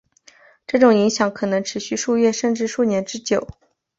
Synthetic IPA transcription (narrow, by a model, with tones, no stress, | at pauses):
ʈ͡ʂɤ˥˩ʈ͡ʂʊ˨˩ŋi˧˥ŋɕjɑ˨˧˥ŋkʰɤ˨˩nɤ˧˥ŋʈ͡ʂʰɻ̩˧˥ɕy˥˧ʂu˥˧ɥɛ˥˧ʂə˥˧nʈ͡ʂɻ̩˥˧ʂu˥˩njɛ˧˥nʈ͡ʂɻ̩˥t͡ɕjo˨˩˦ʊ